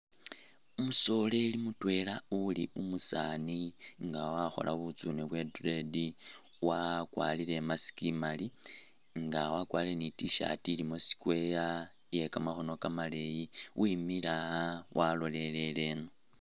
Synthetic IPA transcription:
umuso̞le̞limutwe̞lauliumusaniŋɡawaxo̰lʔa̰βut͡suneβwe̞dredi | wakwa̰ːlile̞masi̥kimali | ŋɡawakwaːlilenitiʃa̰tilimo̞si̥kwe̞ja | je̞kamaxo̞no̞kamale̞jiwʔimilawʔalo̞le̞le̞le̞no

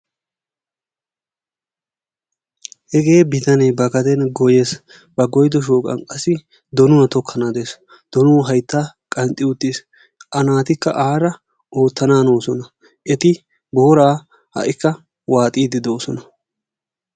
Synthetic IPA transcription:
hɛɡe̞ːbɪt̪ɐneːbɐɡɐd̪ɛnɡɔje̞s | bɐɡɔjd̪ɔʃ̬oːkʼɐ̰nkʼɐsːɪ | d̪ɔnʊnɐt̪ɔkʰːɐnaːd̪eːs | d̪̥ɔnʊɦɐjt̪ːaːkʼɐnt̪ʼːɪʊt̪ːis | ʔɐnaːt̪ɪkːɐ̰ʔaːɾɐ | o̞ːt̪ːɐnaːno̞ːsɔnɐ | ʔɛt̪ɪ | boːɾaː | hɐ̰ʔɪkːɐ | waːt̪ʼiːd̪ɪd̪oːsɔnɐ

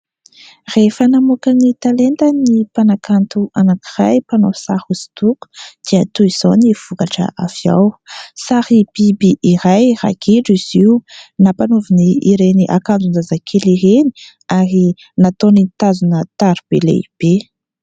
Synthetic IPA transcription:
refənamukənit̪alent̪ənipanakant̪uʔanakirajpanovi̥sahuz̥i̥t̪uku̥d̪̥iət̪uiz̥oniv̥ukaʈ͡ʂə̰ʔavia̰wsahib̥ibiʔiɾajra̰kʰiɖ͡ʐiz̥iunapanoviniːɾeniʔa̰kand͡zunzazakʰeliɦeni̥ | aɾi | nat̪onint̪azunət̪aɾib̥elḛib̥e

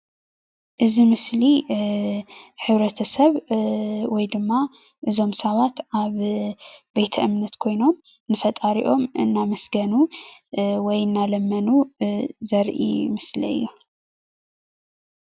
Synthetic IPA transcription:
ʔɨzimɨsli | ħɨβɾɐt̪ʰɐsɐβ | wɔjd̪ɨmːa | ʔɨzo̞msɐβat̪ʔaβ | bejt̪ʰɐʔɨmnɐt̪kʰo̞jno̞m | nɨfɐt̪ʼaɾiʔo̞mɨnːamɐsɡɐnu | wɔjɨnːalɐmːɐnuzɐɾʔḭmɨslḭɨ̰jːu

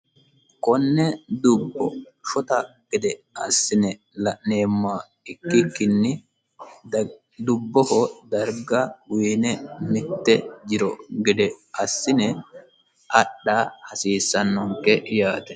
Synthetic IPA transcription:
kɔnːɛd̪ʊbːɔʃɔt̪ɐɡ̥ɪd̪ɛɐsːɪnɛ | lɐʔneːmːa | ɪkːɪkːɪnːɪ | d̪ʊbːɔhɔd̪ɐɾɡɐwiːnɛmɪt̪ːɛd͡ʒɪɾɔɡɪd̪ɛɐsːɪnɛ | ʔɐɗːaːhɐsiːsːɐnːɔŋkːɛjaːt̪ɛ

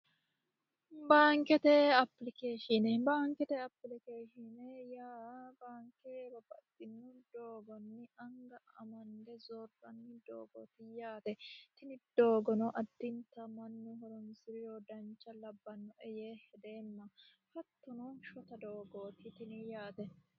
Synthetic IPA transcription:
baːŋkɛt̪ɛɐpːlɪkeːʃɪnɛbaːŋkɛt̪ɛɐpːlɪkeːʃɪnɛjaːbaːŋkebɐbɐkʼːɪnːʊd̪oːɡɔnːɪɐŋɡɐɐ̰mɐnd̪ɛzɔɾbɐnːɪd̪oːɡo̰ːt̪ɪjaːt̪ɛt̪ɪnɪd̪̥oːɡɔnɔʔɐd̪ːɪnt̪ɐmɐnːʊɦɔɾɔnsɪɾɪjoːd̪ɐnt͡ʃːɐlɐbːɐnːɔʔɛjeːhɛd̪eːnːɐ | fɐt̪ːɔnɔʃɔt̪ɐd̪oːɡoːt̪ɪt̪ɪnɪjaːt̪ɛ

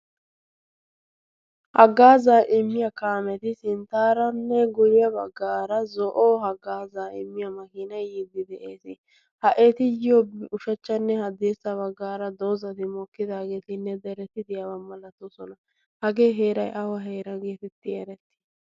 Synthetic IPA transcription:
hɐɡaːzaːʔɪmːɪjɐkaːmɛt̪ɪsɪnt̪aːɾɐnːɛɡʊjɪjɐbɐ̰ɡːaːɾɐzɔʔoːɦɐɡaːzaːɪ̰mːɪjɐmɐkɪnɐjjiːd̪ːɪd̪ɛʔeːsɪ | hɐʔeːt̪ɪjɪjobʊʃɐt͡ʃːɐnːɛhɐd̪eːsːɐβɐɡːaːɾɐd̪oːzɐt̪ɪmɔkːɪd̪aːɡe̞ːt̪ɪnːɛd̪ɛɾɛt̪ːɪd̪ɪjɐwɐmːɐlɐt̪ːɔsɔnɐ | hɐɡe̞ːɦe̞ːɾɐjʔɐwɐɦe̞ːɾɐɡe̞ːt̪ɛt̪ːɪɛɾɛt̪ːɪ̥

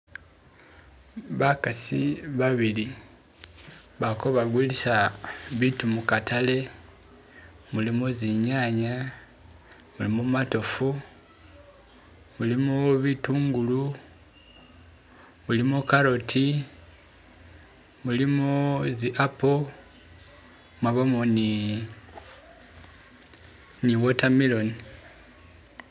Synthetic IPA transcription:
βakasiβaβili | βakoβaɡwulisaβitumukatale̞ | mulimoziɲaɲa | mulimomato̞fu | mulimoβituːŋɡulu | mulimokaɾo̞tʰi | mulimoziʔapo | maβamoni | niβotamilo̞ni

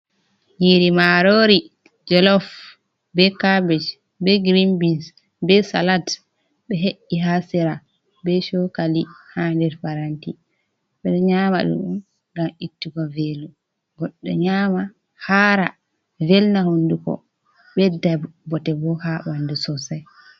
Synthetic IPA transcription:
ɲiɾimaɾoɾi | d͡ʒɔlɔf | bɛkabɛt͡ʃ | bɛɡɾimbins | bɛsa̰lat | ɓɛɦeʔːiɦasiɾa | bɛʃɔkalihandɛɾfaɾanti | ɓɛɗɔɲaːma̰ɗṵɗṵm | ɡamitːukɔvelu | ɡɔɗːɔ̰ɲaːma | haɾa̰ | vɛlnahondukɔ̰ | ɓɛdabɔtɛbɔhaɓandusɔsaj

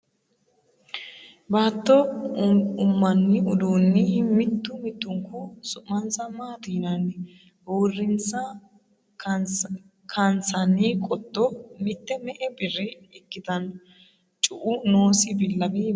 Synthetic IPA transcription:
baːt̪ːɔ | ʊmːɐnːɪʊd̪uːnːɪmɪt̪ːʊmɪt̪ːʊŋkʊsʊʔːɐnsɐmaːt̪iːnɐnːɪ | borːɪnt͡sːɐ | kʰɐnt͡sɐnikʼɔt̪ːɔmɪt̪ːɛmɛʔɛbɪrːɪ | ɪkːɪt̪ɐn | t͡ʃʼʊʔʊnoːsɪbɪlːɐbi

